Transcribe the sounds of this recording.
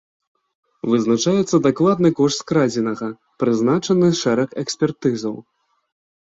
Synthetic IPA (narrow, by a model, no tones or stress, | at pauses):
vɨznat͡ʂajɛt̪sːɐd̪aklˠad̪̚nɨkɔʂt̪skɾad͡zʲinɐɣɐ | pɾɨznat͡ʂɐnɨʂɛɾɐxɛksʲpʲɛrt̪ɨzɐw